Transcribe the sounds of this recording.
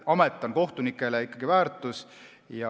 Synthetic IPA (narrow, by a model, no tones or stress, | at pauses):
ɑmet̪ːˑɑnko̞ht̪unikːˑe̞leikːˑɑɡ̥ivæːrt̪ˑus | jɑ